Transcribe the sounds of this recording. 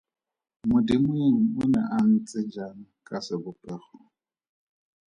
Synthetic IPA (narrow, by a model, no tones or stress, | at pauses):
mʊdɪmweŋ̩mʊna̰ʔan̩t͡sʼɪd͡ʒanakʼasɪbʊpʼɛχɔ